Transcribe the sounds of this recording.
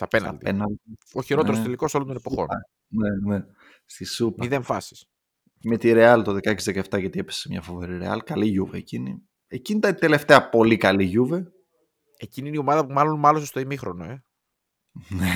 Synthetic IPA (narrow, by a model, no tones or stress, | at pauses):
sɐpenɐ̰ɐld̪ienɐld̪ioçiɾoteɾost̪eliko̞solod̪onepo̞xo̞n | nene | st̪isupmiðe̞ɱfɐsi̥s | me̞t̪iɾe̞ɐlt̪oðekɐcizðekɐeft̪ɐʝɐt̪iepessemɲɐfove̞ɾiɾeɐ̰lkɐliʝuveːcinḭ | ecinit̪ɐnt̪e̞le̞ft̪eɐpo̞likɐliʝuve | eciniinio̞mɐðɐpumɐlonmɐlosost̪oimixɾo̞noe̞ | ne